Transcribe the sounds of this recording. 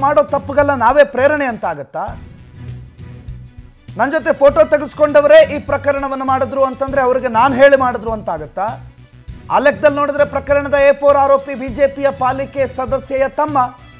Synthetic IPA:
maːɽo̞ːt̪ɐpːuɡɐlːɐnaːʋeːpɾeːɾɐɳeɐnt̪aːɡut̪ːa | nɐnd͡ʒot̪epʰoːʈoːt̪ɐɡisko̞ɳɖɐʋɐɾe̞ːʔiːpɾɐkɐɾɐɳɐʋɐnːumaːɽid̪ɾuːɐnt̪ɐnd̪ɾe̞ɐʋɐɾiɡe̞naːnuɦe̞ːɭimaːɽid̪ɾuɐnt̪aːɡut̪ːa | a̰ːlek̚d̪ɐlːno̞ːɽid̪ɐɾe̞pɾɐkɐɾɐɳɐd̪ɐeːpoːɾaːɾo̞ːpibiːd͡ʒe̞ːpijɐpaːlikesɐd̪ɐsjɐjɐt̪ɐmːɐ

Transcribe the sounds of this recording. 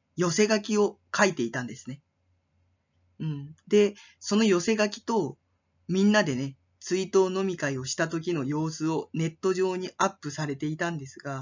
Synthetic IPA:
jo̞se̞ɡakʲio̞ | kait̪e̞it̪ãnd̪e̞sɨ̥ne | ɯ̟̃ɴd̪e̞ | so̞no̞jo̞se̞ɡakʲi̥t̪o̞ | mʲĩnːad̪e̞ne̞ | t͡sɨit̪o̞ːno̞mʲikaio̞ɕi̥t̪at̪o̞k̬ʲino̞jo̞ːsɨo̞ne̞t̪ːo̞ʑo̞ːɲ̟iʔapːɯ̟saɾe̞t̪e̞it̪ãnd̪e̞sɨɡa

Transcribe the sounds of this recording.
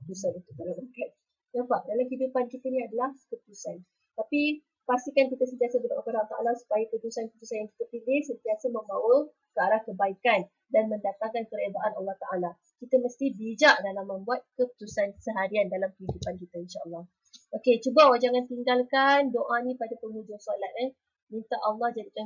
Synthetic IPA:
əput̪usanunt̪ut̪alake | japaʔdalamkidupankit̪ənĩadalahkəput̪usan | t̪api | past̪ikankit̪əsənt̪iasəbədaʔakəɾat̪aʔa̰lasu̥pajəkut̪usankput̪usanjaŋki̥t̪əpilɪhsənt̪iasəmə̃mbawə | kəaɾahkəbaikan | danməndat̪aŋkankəɾedaʔanalːɑht̪aʔala | kit̪əməst̪ibid͡ʒaʔdalamːə̃mbuat̪̚kəpu̥t̪usansəɦaɾiandalamkəɦidupankit̪əinʃaɑlːɔh | ʔoket͡ʃubawad͡ʒaŋant̪iŋɡalkandoʔanĩpadapəŋũd͡ʒʊŋsolat̪̚ɛ | mint̪aʔɑlːɑhd͡ʒadikan

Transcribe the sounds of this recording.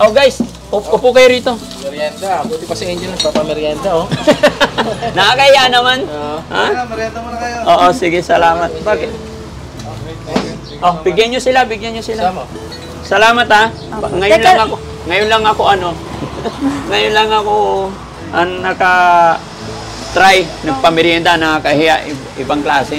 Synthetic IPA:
ʔowɡajs | ʔʊpʔʊpʊkɐjoɾiːt̪o̞ | mɛɾjand̪abut̪ɪpɐsɪeɲd͡ʒɪlɐŋpapɐmɛɾjand̪aho | nɐakɐɪjaʔnɐmanha̰mɾjand̪ɐmakjoʔoːʔosɪɡɪsɐlaːmat̪̚baːkɪt̪ | ʔobɪɡjanːosɪlabɪɡjanɲːosɪla | sɐlaːmɐt̪ha | ŋɐjnlaŋɐko | ŋɐjʊnlɐŋɐkoʔɐno̞ | ŋɐjʊnlɐŋɐko | ʔɐŋnɐka | t̪ɾajnɐɡ̚pɐmɪɾjand̪anɐakɐhɪjaʔɪʔɪbaŋklaːsɪ

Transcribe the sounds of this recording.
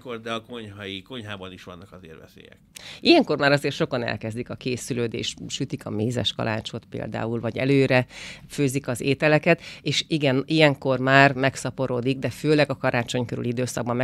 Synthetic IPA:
kord̪ɛɒko̞ɲɦɒjiko̞ɲɦaːbɒniʃʋɒnːɒkɒzḛːrvɛ̰sḛːjɛ̰kijɛŋko̞rmaːɾɒzeːrt̪ʃokɒnɛ̰lkɛzd̪ikɒkeːsyløːd̪ḛːʃʃyt̪ikʰɒmeːzɛ̰ʃkɒ̰la̰ːt͡ʃot̪pḛːld̪a̰ːulvɒɟɛ̰løːɾɛføːzikɒzeːt̪ɛlɛkɛt̪eːʃiɡɛnijɛŋko̞rmaːrmɛksɒpo̞ɾoːd̪iɡd̪ɛføːlɛɡɒkɒɾʔaːt͡ʃo̞ɲkøɾy̰lid̪øːsɒɡ̚bɒmmɛ

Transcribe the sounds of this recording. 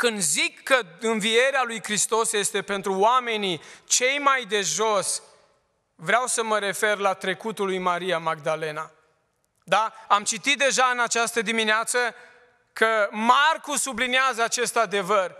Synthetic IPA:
kɨnd̪zikːəɨnvije̞ɾealujkɾist̪o̞sje̞st̪e̞pe̞nt̪ɾuoame̞nit͡ʃe̞jmajd̪e̞ʒo̞s | vɾeawsəməɾe̞fe̞rlat̪ɾe̞kut̪ulujmaɾiamaɡd̪ale̞na | d̪aamt͡ʃit̪it̪̚d̪e̞ʒaɨnat͡ʃast̪əd̪imineat̪sə | kʰəmarkusubliniazəat͡ʃe̞st̪ad̪e̞vər

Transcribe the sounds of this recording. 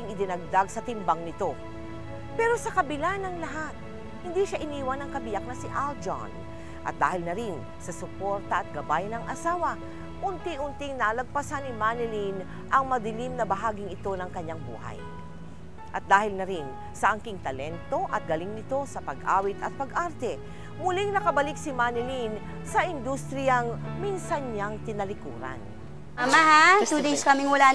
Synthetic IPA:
ɪŋɪd̪ɪnɐɡ̚d̪aɡsɐt̪ɪmbaŋnɪt̪o̞ | pɛːɾo̞sɐkɐbɪlanɐŋlɐɦat̪̚ | hɪnd̪iʃaʔɪniːwɐnɐŋkɐbɪjak̚nɐsɪʔald͡ʒa̰n | ʔɐ̰t̪̚d̪aːhɪlnɐɾɪn | sɐsʊkoɾt̪ɐʔɐt̪̚ɡɐbajnɐŋʔɐsaːwɐ | ʔʊnt̪ɪʔʊnt̪ɪŋnaːlɐɡ̚pɐsanːɪmanɪlin | ʔɐŋmɐd̪ɪlimnɐbɐɦaːɡɪŋɪt̪o̞nɐŋkɐɲːaŋbṵːhɐ̰j | ʔɐt̪̚d̪aːhɪlnɐɾɪn | sɐʔɐŋkɪŋt̪ɐlɛnt̪o̞ʔɐt̪̚ɡɐlɪŋnɪt̪o̞sɐpɐɡʔa̰ːwɪt̪ɐt̪̚pɐɡʔaɾt̪ɛ | mʊliŋnɐkɐbɐlɪksɪmanɪlin | sɐʔɪnd̪ust̪ɾɪjɐŋminsɐnɲaŋt̪ɪnɐlɪkṵːɾɐ̰n | ʔɐmaɦat̪ud̪ejskɐmɪŋwɐla

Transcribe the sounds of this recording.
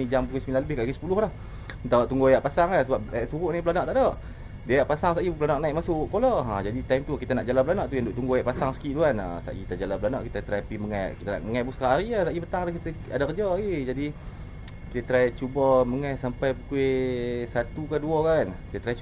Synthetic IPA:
id͡ʒampuk̬esəmilanləbɪhkaʔkisə̥pulʊhlah | nt̪awʔt̪uŋɡuajaʔpasaŋasəbap̚aʔsuɣuʔnip̬əlanaʔt̪aʔdɔʔ | dajaʔpasaŋsaʔipəlanaʔnaiʔk̚masʊʔkolɔʔad͡ʒadit̪ajmt̪ukit̪ənaʔd͡ʒalap̬lanaʔt̪ujandʊʔt̪uŋɡuajaʔpasaŋsə̥kiʔduana̰sa̰ʔjit̪ad͡ʒalaplanaʔkit̪at̪ɾajpiməŋajʔkit̪əna̰ʔməŋajbuskaaɾiasaʔibət̪aŋlakit̪ə | adakəd͡ʒɔed͡ʒadi | kit̪ət̪ɾajt͡ʃubəməŋajsampajbukuesat̪ukaduɔkanki̥t̪ət̪ɾaj

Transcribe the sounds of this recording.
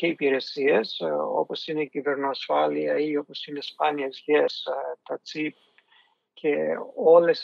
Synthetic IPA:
ce̞ipiɾe̞sieso̞̰po̞sine̞civeɾnoɐsfɐliɐiopo̞sinespɐniɐzʝest̪ɐt͡sip̚ | cʰeoles

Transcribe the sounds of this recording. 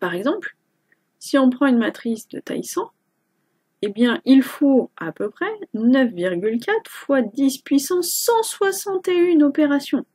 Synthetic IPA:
paʁɛɡzɑ̃pl | siɔ̃pχɑ̃ynmat̪χisd̪ə̰t̪a̰jsɑ̃ | ebjɛ̃ʔilfoapøpχɛnœfviʁɡʲylkʲat̪χfwad̪ispɥisɑ̃sɑ̃swasɑ̃t̪eynɔpeʁasjɔ̃

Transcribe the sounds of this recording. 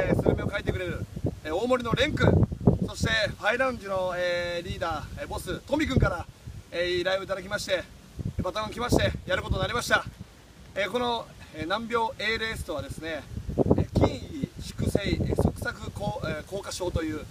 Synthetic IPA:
sɨɯmʲio̞kait̪ːe̞kɯɾeɾɯ̟o̞ːmo̞ɾʲino̞ɾẽ̞ŋkɯ̟so̞ɕi̥t̪e̞ɸaiɾãɯ̃ɲd͡ʑino̞eɾʲiːd̪aːbo̞sɨt̪omʲikɯ̟ŋkaɾaeɾaiɯit̪ad̪ak̬ʲimaɕi̥t̪e̞ | bat̪amãŋkʲimaɕi̥t̪e̞jaɾɯ̟kot̪o̞naɾʲimaɕi̥t̪a | eko̞no̞enãmbʲjo̞ːʔe̞ːɾesɨ̥t̪o̞β̞ad̪e̞sɨne̞ | kʲĩɰʲiɕi̥kɯ̟seisokɯ̟̥sakɯ̟koko̞ːkaɕo̞ːt̪o̞jɯ̟ː

